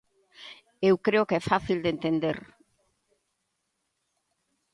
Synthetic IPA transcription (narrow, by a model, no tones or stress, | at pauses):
ewkɾeokɛfaθild̪ent̪end̪eɾ